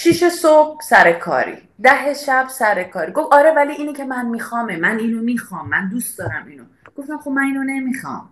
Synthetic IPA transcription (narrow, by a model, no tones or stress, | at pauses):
ʃiʃesob̥̚sæɾekʰɒ̰ːɾḭː | d̪æɦe̞ʃæb̥sæɾekʰɒːɾiːɡo̞fɒːɾevæliʔiːnicʰe̞mænmixɒːmemæniːnomixɒːmːænd̪ust̪d̪ɒːɾæmiːnoɡ̥o̞ft̪æmxo̞b̚mæniːnone̞mixɒ̰ːm